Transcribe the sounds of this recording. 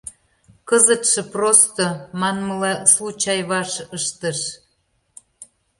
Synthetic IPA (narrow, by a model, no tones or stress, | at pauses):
kəzə̆t̪ʃĕprost̪omɑnməlɑslut͡ɕɑjβɑʃəʃt̪əʃ